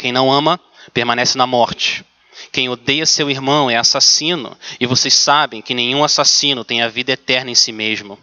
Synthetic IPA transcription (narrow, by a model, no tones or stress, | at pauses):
kẽj̃nɐ̃w̃ɐ̃mɐ | peɾmɐ̃nɛsɪnɐmɔɾt͡ʃɪ̥ | kẽj̃od̪ejɐsewiɾmɐ̃w̃ɛasasĩnʊ̰ɪvosejssabẽj̃kɪnẽj̃ũasasĩnʊt̪ẽj̃ɐvid̪ɐet̪ɛɾnɐẽsimeʒmʊ